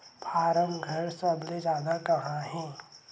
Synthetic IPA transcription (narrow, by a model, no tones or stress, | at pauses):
pʰaːɾəmɡʱɐɾsəbled͡ʒjaːd̪akɐɦãɦɛ̃ː